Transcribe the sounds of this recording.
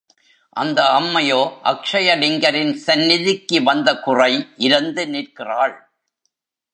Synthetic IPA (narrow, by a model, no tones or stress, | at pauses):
ʔɐnd̪ɐːmːɐjoːʔɐkʂɐjɐɽɪŋɡɐɾɪnsɐnːɪðɪkːɯʋɐnd̪ɐkʊrɐɪʔɪɾɐnd̪ɯniːrkɪraːɭ